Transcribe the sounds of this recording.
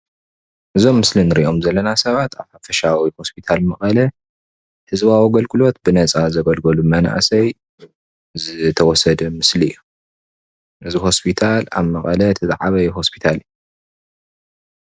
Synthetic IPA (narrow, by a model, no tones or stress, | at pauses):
ʔɨzo̞mːɨslinɨɾiʔo̞mzɐlːɐnasɐβat̪ʰaβħafɐʃawiho̞spʰit̪ʰalmɐχʼɐlɐ | hɨzβawiɡɐlkʼɨlo̞t̪̚bɨnɐt͡sʼazɐɡɐlɡɐlumɐna̰ʔsɐj | zɨt̪ʰɐwɔsɐd̪ɐmɨsliɨjːu | ʔɨziɦo̞spʰit̪ʰala̰βmɐkʼɐlɐt̪ʰɨzʼʕaβɐjuɦo̞spʰi̥t̪ʰalɨjːu